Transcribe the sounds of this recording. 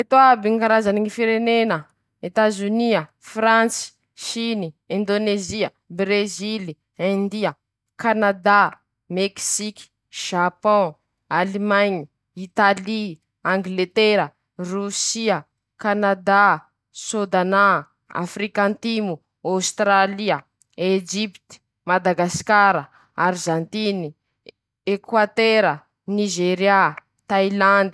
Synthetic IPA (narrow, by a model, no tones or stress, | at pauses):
et̪oabiŋkaɾazaniŋifiɾenenə | et̪azyniə | frãt͡si̥ | ʃiniɛ̃nd̪oneziə | bɾezili | ɛ̃nd̪iə | kanad̪a | meksikʲi̥ | ʒ̥apɔ̃ | alimaɲi | it̪ali | ãŋɡlet̪eɾə | rusiə | kanad̪a | sod̪ana | a̰frikãnt̪imu | awst̪ɾaliə | ed͡ʒipt̪i̥ | mad̪aɡaskaɾə | aɾʒãnt̪ini | ekwat̪eɾə | niʒeɾja | t̪ajland̪i̥